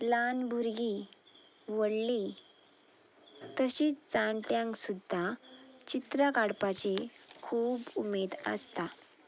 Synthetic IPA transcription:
lanbʱuɾɡi | ʋəɽli | t̪əɕit͡saɳʈjãŋksud̪ʱːat͡ɕit̪ɾəkaɽpat͡ɕekʰuːbumed̪ə̰st̪a

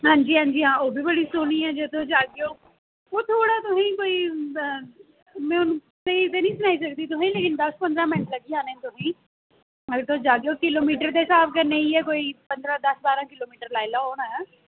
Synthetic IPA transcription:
ɦãːɲd͡ʒiːɦãːɲd͡ʒiːɦãːoːbʱiːbəɽiːsoːnĩːɛːd͡ʒet̪õd͡ʒaːɡeoː | oːt̪ʰoːɽaːt̪ʊsĩːkoːiː | mɛ̃ːʊnũ | t̪eit̪eːnĩːsʊnaːiːsəkd̪iːt̪ʊsĩːleːkɪnd̪əspə̃nd̪ɾãːmɪnʈləɡiːaːnɛ̃ːt̪ʊsĩː | əɾt̪ʰõd͡ʒaːɡejoːkɪloːmiːʈəɾt̪eːɪsaːbkəɾneːiːɛːkoːiːpənd̪ɾãːd̪əsbaːɾãːkɪloːmiːʈəɾlaːilaːɦoːnaɛː

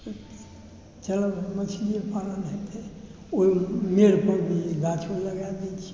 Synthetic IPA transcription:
t͡ʃələbmət͡ʃʰid͡ʒepaɾənɦet̪ʰe | oimeɾpəɾbʱiɡʱat͡ʃʰoləɡad̪et͡ʃʰi̥

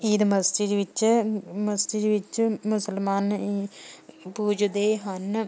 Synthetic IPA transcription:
iðɨmɐsd͡ʑiɾʋit͡ɕːɨmɐsd͡ʑiɾiʋit͡ɕːɨmusɐlmaːniːpuːd͡ʑud̪eːjɦɐnːɨ

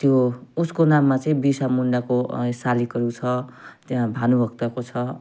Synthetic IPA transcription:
t̪jouskonamːat͡sʌĩbisamuɳɖakosalikʌɾut͡sʰʌt̪jãbʱanubʱʌɡ̚t̪akot͡sʰʌ

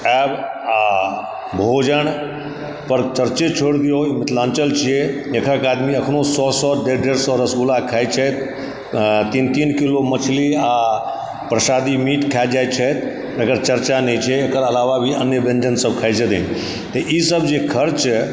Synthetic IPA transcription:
ɛb | a | bʱod͡ʒəɳ | pəɾt͡ʃəɾt͡ʃet͡ʃʰoɽd̪ijoimɪt̪lãnt͡ʃəlt͡ʃʰijed͡ʒekʰəkad̪miəkʰnosɔsɔɖeɖeɾsɔɾəsɡulakʰajt͡ʃʰət̪ | t̪int̪iːnkilomət͡ʃʰlia | pɾəsad̪imiʈkʰad͡ʒajt͡ʃʰət̪ | əɡəɾt͡ʃəɾt͡ʃanət͡ʃʰɛekəɾəlaʋabʱiənjəbẽnd͡ʒənsəbkʰajt͡ʃʰəd̪ḭn | t̪əʔisəbd͡ʒekʰəɾt͡ʃ

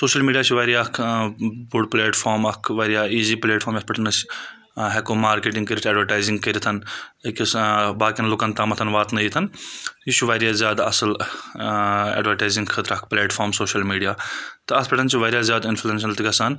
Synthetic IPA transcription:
soːʃɐlmiːɖijaːt͡ʃʰiʋɐːɾjaːkʰbuɖ̚pleːʈfʰoːɾmɐkʰʋɐɾʲjaːiːziːpleːʈfʰoːɾmjɐspɐʈʰɐnɐs | ɦekoːmaːɾkeːʈĩŋɡkəɾʲit̪ʰɐːɖʋɐɾʈaːjziŋɡkɐɾit̪ʰɐnkʲsbaːkʲiɐnlʊkɐnt̪aːmɐt̪ʰɐnʋaːt̪nɐiːt̪ʰɐnit͡ʃʰuʋɐːɾjaːzjaːd̪ɐsəl | ḛːɖʋɐɾʈaːjzĩŋɡkʰɐt̪ɾɐk̚ʰpleːʈfʰoːɾmsoːʃɐlmiːɖijaːt̪ɐɐt̪pɐʈʰɐnt͡ʃʰiʋɐːɾʲijaːzjaːd̪influens̬ɐlt̪ʰiɡɐsaːn

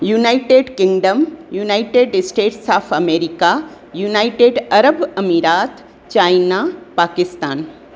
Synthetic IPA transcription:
junajʈeːɖkɪŋɡɖəmjuːnaːiʈeːɖɪsʈeːʈsaːpʰɐmeːɾika | juːnaːjʈeːɖɐɾəbɐmiɾaːt̪ | t͡ʃaːjnapaːkɪst̪aːn

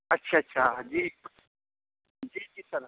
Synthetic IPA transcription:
ɐtːʃʰaɐtːʃʰad͡ʒiː | d͡ʒiːd͡ʒiːsɐɾ

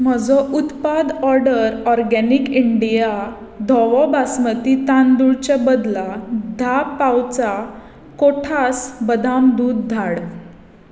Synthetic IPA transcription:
m̤əd͡zɔʔut̪pad̪ɔɾɖəɾɔɾɡɛnikiɳɖija | d̪ʱɔʋɔbasmət̪it̪and̪uɭt͡ɕebəd̪lad̪ʱappːawt͡sa | koʈʰasbəd̪ʱamd̪uːd̪̚ːʱaɽ

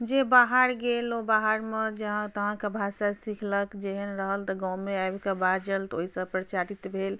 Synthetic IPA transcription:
d͡ʒebaɦaɾɡelobaɦaɾmed͡ʒəɦãt̪əɦãkabʱasasikʰləkd͡ʒeɦənɾəɦəlt̪əɡãwmeaebkabad͡ʒəlt̪oɦisə̃pɾət͡ʃaɾit̪bʱel

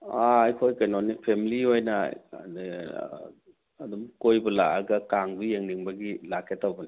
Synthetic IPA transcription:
aajkʰojkajnonipʰemiliojna̰n | adɔmkojbɔla̰aɡakaŋbijeŋniŋbaɡilakʰetawbɐni

